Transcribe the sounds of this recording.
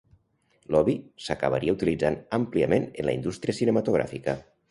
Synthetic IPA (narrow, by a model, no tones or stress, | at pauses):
lɔβisəkə̰βa̰ɾiəut̪ilid͡zanəmpliəmenənləḭnd̪ust̪ɾiəsinəmat̪uɣ̞ɾa̰fikə